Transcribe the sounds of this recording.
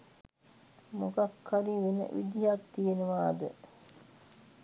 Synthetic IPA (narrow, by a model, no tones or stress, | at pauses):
mukakʰːaɾiʋenə̰ʔid̪ijak̚t̪ijenəʋaːd̪ə